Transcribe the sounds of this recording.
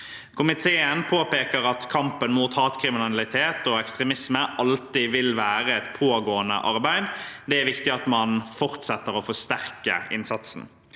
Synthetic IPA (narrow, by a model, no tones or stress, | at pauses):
kʰʊmɪt̪ʰeːənpʰoːpeːkəʁɑt̪kʰɑmpənmuːt̪hɑːt̪kʰɾɪmɪnnɑlɪt̪ʰeːt̪ɔɛkst̪ʁɛmɪsməʔɑlt̪ɪʋɪlʋæːʁəɛt̪pʰoːɡoːənə̰ʔɑʁbæɪd̪d̪ɛæɾʋɪkt̪ɪɑt̪mɑnfɔʁt̪sɛt̪ːəɾɔfɔʂt̪æʁkə̰ɪ̰nsɑt̪sn̩